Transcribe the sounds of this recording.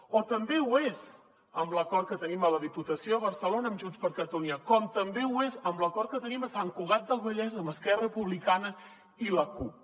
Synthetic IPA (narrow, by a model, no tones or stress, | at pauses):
ot̪əmbewez | əmbləkɔrt̪̚kət̪ənimələðiput̪əsjoəβəɾsəlonəːmʒunspəɾkəɾt̪uniakɔmt̪əmbewezəmbləkɔɾ̚kət̪əniməsaŋkuɣ̞at̪̚d̪əlˠβəʎɛzəməskɛrəpuβlikanə | iləkup